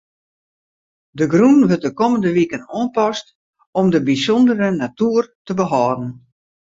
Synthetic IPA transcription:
dəɡrunʋət̚dəkoməndəʋikənɔːnpɔst | ɔmdəbisɔndəɾənatuːərtəbəɦɔːdn̩

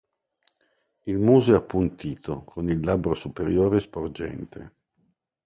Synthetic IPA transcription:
ilmuːzoeapːunt̪iːt̪okʰonilːabɾosupeɾjoːɾespord͡ʒɛ̰nt̪ʰḛ

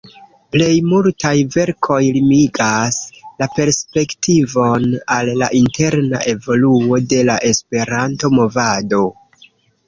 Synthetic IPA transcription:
ple̞jmultajve̞ɾkʰo̞jlimiɡaslape̞ɾspe̞ktʰivo̞nalːa̰ʔinte̞ɾna̰ʔe̞vo̞luo̞de̞laʔe̞spe̞ɾantomo̞vado̞

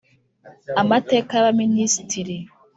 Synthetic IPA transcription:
amateːkaβaminisitiɾi

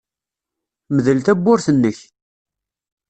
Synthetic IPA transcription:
məðəlt̪æbːʊɾθənːəç

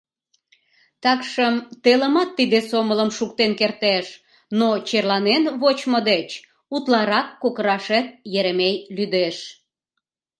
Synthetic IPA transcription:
t̪ɑkʃəmt̪eləmɑt̪ːid̪esomələmʃuk̚t̪enkert̪eʃ | not͡ɕerlɑnenβot͡ɕmod̪et͡ɕ | ut̪lɑɾɑkːokəɾɑʃet̪̚jeɾemejlyd̪eʃ

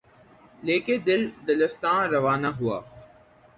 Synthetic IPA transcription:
leːked̪ɪld̪ɐləst̪ãːɾɐʋaːnaɦʊa̰ː

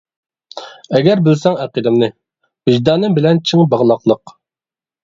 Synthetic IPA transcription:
ɛɡʲɛɾbɪlsɛŋæqid̪ɪmnɨ | vɪʒd̪ɑːnɨmbɪlɛnt͡ʃʰiŋbɑʁlˠɑqlˠəq

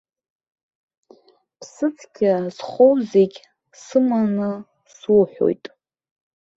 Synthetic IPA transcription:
pʰsɨt͡sʰʼɡʲazχʷowzeɡʲ | sɨmanɨ | swuħʷᶣo̞̰jtʼ

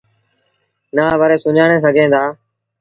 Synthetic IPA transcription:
naːʋəɾeːsʊɲaːɳ̃ẽːs̬əɡʱẽːnd̪aː

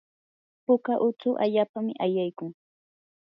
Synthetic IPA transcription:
pʊkaʔʊt͡sʊʔa̰ʎaːpamɪʔajajkʊŋ

